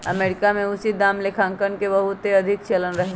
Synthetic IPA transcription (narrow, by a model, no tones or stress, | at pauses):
ɐmeːɾɪkamẽʊsid̪aːmlekʰãːŋkənkebɐɦʊt̪ɦeɐd̪ʱɪkt͡ʃelənɾɐɦ